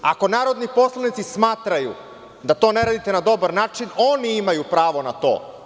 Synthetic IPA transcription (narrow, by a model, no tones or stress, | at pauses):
a̰ko̞naːɾo̞d̪nipo̞slˠanit̪sismaːt̪ɾajṵ | d̪at̪o̞ne̞ɾaːd̪it̪e̞nad̪o̞baɾnaːt͡ʃino̞niimajupɾaːʋo̞nat̪o̞̰ː